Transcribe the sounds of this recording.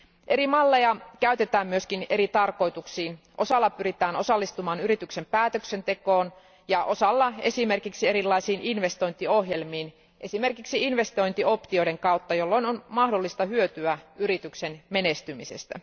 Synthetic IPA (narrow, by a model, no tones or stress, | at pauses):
ʔe̞ɾimɑlːejɑkæyt̪et̪æːmmyøskine̞ɾit̪ɑrko̞it̪uksiːn | ʔo̞sɑlːɑpyɾit̪æːnosɑlːist̪umɑːnyɾit̪yksempæːt̪øksent̪e̞koːn | jɑʔo̞sɑlːɑe̞sime̞rkiksieɾilːɑisiːninʋe̞st̪o̞jnt̪iohjelmiːn | ʔe̞sime̞rkiksiinʋe̞st̪o̞jnt̪io̞pt̪ioiɾeŋkɑut̪ːɑjolːoinonmɑhdolːist̪ɑhyøt̪yæyɾit̪yksenmenest̪ymisḛst̪æ̰